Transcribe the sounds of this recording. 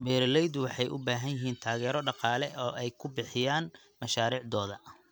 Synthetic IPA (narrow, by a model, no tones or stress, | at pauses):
mɛːɾlɛjd̪wɑħɑjʔʊ̰baːɦɐnjɪɦiːnt̪ʰaːɣɛːɾɔɖɑqɑːlɛʔɔːʔɛjkʰʊbɪħɪjaːn | mɐʃaːɾiːʕd̪ɔːðɐ